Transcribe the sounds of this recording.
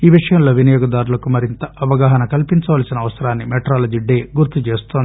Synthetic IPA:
iːʋiʂɐjɐmlo̞ːʋinɐjoːɡɐd̪aːɾulɐkumɐɾint̪ɐʔɐʋɐɡaːɦɐnɐkɐlpiɲt͡ʃɐʋaːlɐsinɐʋɐsɐɾaːnːimeʈɾaːlɐd͡ʒiɖːeːɡuɾt̪ːut͡ʃe̞ːst̪oːnd̪i

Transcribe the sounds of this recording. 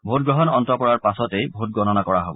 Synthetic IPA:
bʱot̚ɡɹɔɦɔnɔntɔpɔɹaɹpasɔtejbʱot̚ɡɹɔnɔnakɔɹaɦobɔ

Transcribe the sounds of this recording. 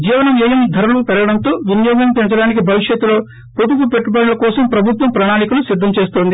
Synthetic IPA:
d͡ʒiːʋɐnɐmɛːjɐmd̪ʱɐɾmɐpɛɾɐɡɐɽɐnt̪o̞ːʋinjoːɡɐmpent͡ʃɐɽaːnik̬ibʱɐʋiʂjɐt̪ːulo̞ː | pot̪upupeʈːupɐɽɐlɐkɔːsɐmpɾɐbʱut̪ʋɐmpɾɐnaːnikulusid̪ʱːɐmt͡ʃe̞ːst̪oːnd̪i

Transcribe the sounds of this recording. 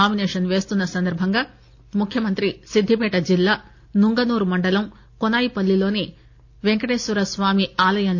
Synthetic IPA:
aːmineːʂɐnʋe̞ːst̪unːɐsɐnd̪ɐɾbʱɐŋɡaː | mukʰjɐmɐnt̪ɾisid̪ʱːipɛːʈɐd͡ʒilːaː | nuŋɡɐnuːɾumɐɳɖɐlɐm | kɔnaːjipɐlːilo̞ːni | ʋeŋkɐʈeːsuɾɐsʋaːmiaːlɐjɐn

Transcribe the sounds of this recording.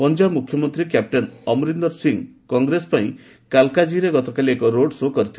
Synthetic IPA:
pɔnd͡ʒabmukʰjɔmɔnt̪ɾikjap̚ʈɔnɔmɾind̪ɔɾsiŋkɔŋɡɾespaĩ | kalkad͡ʒiɾeɡɔt̪ɔkaliekɔɾoɽsokɔɾit̪ʰi

